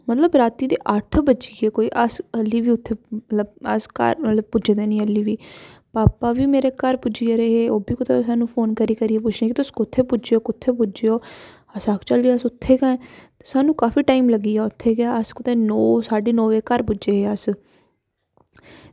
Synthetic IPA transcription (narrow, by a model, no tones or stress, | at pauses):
mət̪ləbɾaːt̪iːd̪eːʔəʈʰbəd͡ʒiːeːkoːiːʔəsəlːiːʋiːʊt̪ʰːeːət̪ləbəskə̰ɾmət̪ləb̚pʊd͡ʒed̪eːnĩːəlːiːʋiːpaːpaːʋiːmeːɾeːkəɾpʊd͡ʒijaːɾeːɦeːoːbiːkʊt̪ʰeːsaːnũːpʰoːnkəɾiːkəɾiːeːp̬ʊt͡ʃʰnẽːkit̪ʊskʊt̪ʰːeːpʊd͡ʒeoːkʊt̪ʰːeːp̬ʊd͡ʒeːoː | əsakt͡ʃəliːsʊt̪ʰːeːɡãːt̪e̥saːnũːkaːfiːʈaːiːmləɡiːaːʊt̪ʰːeːɡjaːəskʊt̪ẽːnɔːsaːɖiːnɔːʋeːkəɾpʊd͡ʒeːɦeːəs